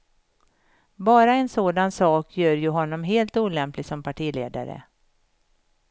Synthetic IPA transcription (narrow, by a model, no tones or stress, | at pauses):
bɑːɾaɛnsoːd̪ansɑːkʰjœːɾjɵɦɔnːɔmɦeːlt̪uːlɛmplɪɡsɔmpʰaʈʰiːlḛːd̪a̰ɾə̰